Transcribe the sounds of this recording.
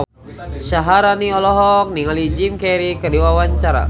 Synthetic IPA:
saɦaɾaniɔlɔɦɔk̚niŋalid͡ʒimkɛɾikədiwawaɲt͡ʃaɾa̰

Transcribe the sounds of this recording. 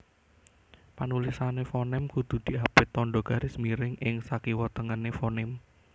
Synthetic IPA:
panulisanefɔnɪmkud̪̥ṳd̪̥i̤apɪt̪ɔnɖɔɡ̥a̤ɾɪsmiɾɪŋʔɪŋsakiwɔt̪əŋənefɔnɪm

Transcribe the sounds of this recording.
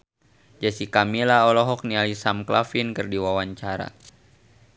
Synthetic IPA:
d͡ʒasikamilaɦɔlɔɦɔk̚nialisamklafinkɨrdiwawaɲt͡ʃaɾa̰

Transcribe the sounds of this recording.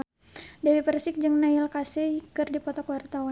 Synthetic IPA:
dɛwipərsɪk̚d͡ʒɨŋnailkasɛkɨrdipɔt̪ɔkwart̪awa

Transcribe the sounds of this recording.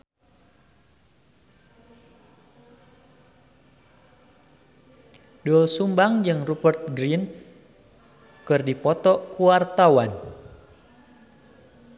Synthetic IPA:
dɔlsumbaŋd͡ʒɨŋrubərt̪̚ɡɾin | kɨrdipɔt̪ɔkuwart̪awan

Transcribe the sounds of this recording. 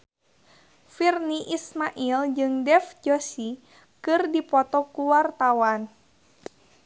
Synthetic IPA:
firniʔismaʔild͡ʒɨŋdɛfd͡ʒosi | kɨrdipɔt̪ɔkuwart̪awan

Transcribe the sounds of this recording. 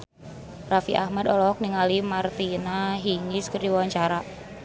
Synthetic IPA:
rafiʔahmad̪ɔlɔk̚niŋalimart̪inaɦiŋiskərdiwaɲt͡ʃaɾa

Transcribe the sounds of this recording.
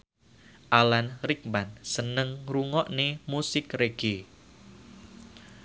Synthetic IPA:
ʔalanrik̚mansənəŋruŋɔʔnemusɪkreɡ̥e

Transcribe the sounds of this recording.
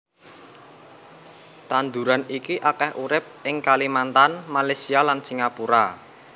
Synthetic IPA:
t̪and̪uɾanikiʔakahʔuɾɪp̚ʔɪŋkalimant̪anmalesialansiŋapuɾa

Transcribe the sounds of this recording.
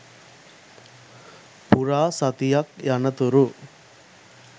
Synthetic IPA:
puɾaːsɐt̪ijɐkjɐnɐt̪uɾu

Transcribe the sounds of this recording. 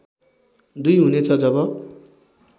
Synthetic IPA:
d̪ujɦunet͡sʰʌd͡zʌβʌ

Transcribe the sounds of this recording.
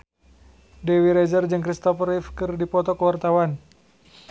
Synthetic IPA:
dɛwiɾɛzərd͡ʒɨŋkɾist̪ɔfrifkɨrdipɔt̪ɔkəwart̪awan

